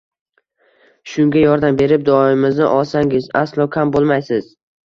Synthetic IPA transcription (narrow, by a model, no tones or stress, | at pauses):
ʃʊŋɡʲajɒɾd̪ambe̞ɾɪp̚d̪ɒɪmɪznɪʔɒlˠsaŋɪzaslˠɒkʲʰambolˠmajsɪz̥